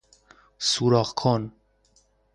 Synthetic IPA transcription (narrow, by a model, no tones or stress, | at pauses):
suɾɒːxkʰon